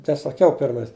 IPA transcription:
tɐɪ sɐˈkʲɛʊ ˈpʲɪrmɐɪs

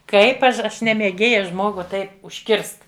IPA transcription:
ˈkɐɪp ˈɐʃ ˈɐʃ nʲɛ mʲeːˈɡʲeːjɛ ˈʒmoːɡʊ ˈtɐɪp ʊʃʲˈkʲɪrst

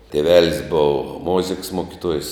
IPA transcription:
tʲeːˈʋʲæːlʲɪs ˈbʊʋoː ˈmoːzʲɪks ˈmuɔkʲɪtuɔjs

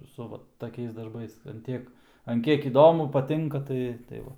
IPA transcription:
sʊ ˈʋɐ tɐˈkʲɛɪs dɐrˈbɐɪs ɐn ˈtʲiɛk ɐn ˈkʲiɛk iːˈdoːmʊ pɐˈtʲɪŋkɐ ˈtɐɪ tɐɪ ˈʋɐ

